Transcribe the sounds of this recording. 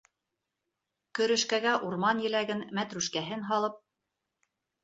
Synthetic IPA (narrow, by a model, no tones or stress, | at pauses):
kɵ̆ɾɵ̆ʃkæɡæʔuɾmɑnjɘ̆læɡɘnmæt̪ɾʉʃkæɦɘnɦɑlˠɤp̚